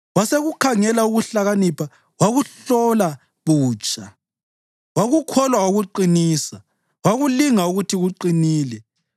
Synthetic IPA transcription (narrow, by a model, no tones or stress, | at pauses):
waseɣukʰaŋɛlauɣuɬaɣanipʰa | waɣuɬɔla | βuːt͡ʃʼa | waɣukʰɔlwauɣuǃiniːsa | waɣuliŋauɣutʰiɣuǃiniːlɛ